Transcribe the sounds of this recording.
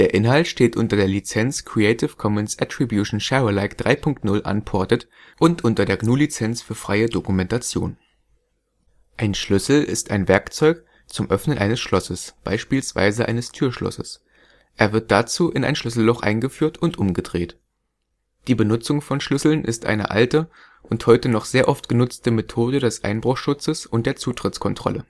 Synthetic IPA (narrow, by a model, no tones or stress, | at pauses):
d̥eːɐʔɪnɦaltʃteːtʔʊntɐdeːɐlit͡sɛnt͡skʁ̥ieɪtɪfkʰɔmənsʔatʁ̥ibjuʃn̩ʃɛʁəlaɪkd̥ʁaɪpʰʊŋk̚tnʊlʔa̰npʰɔɐtət | ʔʊntʔʊntɐdeːɐɡnuːlit͡sɛnt͡sfyːɐfʁ̥aɪədokumɛntat͡sjo̰ːn | ʔaɪnʃlʏsl̩ɪ̰staɪnvɛɐkt͡sɔʏk | t͡sʊmʔœfnənʔaɪnəsʃlɔsəsb̥a̰ɪʃpiːlsv̥a̰ɪzəʔa̰ɪnəstʰyːɐʃlɔ̰səs | ʔeːɐvɪɐt̚d̥at͡suːʔɪna̰ɪnʃlʏsl̩lɔχʔa̰ɪnɡəfyːɐtʊntʔʊmɡədʁeːt | d̥iːbənʊt͡sʊŋfɔnʃlʏsl̩nʔɪ̰stʔa̰ɪnə̰ʔa̰ltə | ʔʊnthɔʏtənɔχz̥eːɐʔɔftɡ̥ənʊt͡stəmetʰoːdədɛsʔa̰ɪnbʁʊχʃʊt͡səsʊntd̥eːɐt͡suːtʁ̥ɪt͡skʰɔntʁ̥ɔ̰lə̰